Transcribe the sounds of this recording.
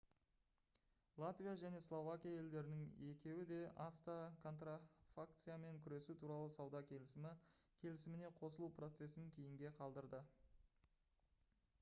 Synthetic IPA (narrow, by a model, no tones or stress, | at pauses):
lˠat̪vijaʒæne̞slˠo̞vakʲijaje̞ld̪e̞ɾɪnɪŋe̞kʲe̞wɪd̪e̞ʔɑst̪ɑkʰo̞nt̪rafakt̪sɨjame̞ŋkʲʰʏɾe̞sut̪ʰuɾɑlˠəsɑwd̪ɑkʲʰe̞lɪsɪmɪkʲʰe̞lɪsɪmɪne̞qʰo̞səlˠupro̞t̪se̞sɪŋkʲʰe̞jɪŋɡʲe̞qʰɑlˠd̪əɾd̪ə